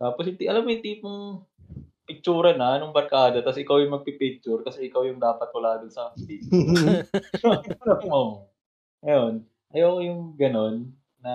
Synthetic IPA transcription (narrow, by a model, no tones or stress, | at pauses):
t̪aːposɪt̪iʔɐlamːojʊŋt̪iːpʊŋ | pɪk̚t͡ʃuːɾɐnɐnʊŋbɐɾkaːd̪ɐt̪ɐsʔɪkawjʊŋmɐɡ̚pɪpɪk̚t͡ʃːʊɾkɐsɛʔɪkawjʊŋd̪aːpɐt̪̚wɐlaːd̪ʊnsɐt̪iː | lao | ŋɐjon | ʔɐjoːkojʊŋɡɐno̞nː | ɐ